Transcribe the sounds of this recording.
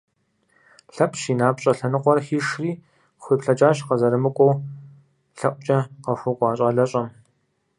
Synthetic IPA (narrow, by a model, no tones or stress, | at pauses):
ɬɐpʼʃiːnaːpɕʼɐɬɐnɨqʷɔrxiːʂriː | xʷiːpɬɐt͡ʃʼaːɕqɐzɐɾɨmɨkʷʼɔw | ɬɐʔʷʼt͡ʃʼɐqɐxʷʊkʷʼɑːɕʼɑːɮɐɕʼɐm